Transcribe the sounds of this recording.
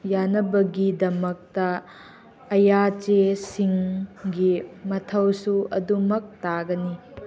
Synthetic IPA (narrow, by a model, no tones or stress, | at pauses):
janɐbɐɡid̪ɐmɐk̚tɐː | jat͡ʃesiŋɡimɐtʰɐwsuɐdumɐk̚taɡɐni